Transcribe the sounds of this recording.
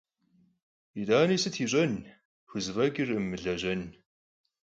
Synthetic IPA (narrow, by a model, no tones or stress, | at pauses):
idaːniːsɨtʰiːɕʼɐn | xʷʊzvɐɡʼɪrɨmːɨɮɐʑɐn